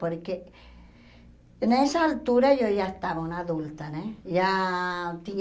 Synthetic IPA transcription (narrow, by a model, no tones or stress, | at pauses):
poɾke | nesaːlt̪uɾaʝoʝaest̪aβaunaðult̪aneja | t̪i